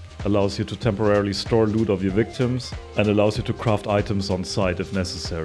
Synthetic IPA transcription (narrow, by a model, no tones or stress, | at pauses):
əlaʊzjɨtʰutʰɛ̃mpə˞ɛɹl̩ˠistʰɔɹluɾɔvjəvɪk̚tʰɪ̃mzɛ̃ndəlaʊzjɨtʰukʰɹ̥aftaɪtə̃mzn̩saɪtɨfnɛsəsɛɹi